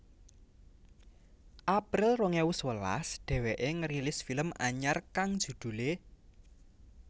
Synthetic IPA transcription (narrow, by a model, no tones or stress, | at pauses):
ʔapɾɪlroŋewʊswəla̰sd̪̥ɛ̤weʔeŋəɾilɪsfiləmaɲarkaŋd̥ʒ̥ṳd̪̥ṳle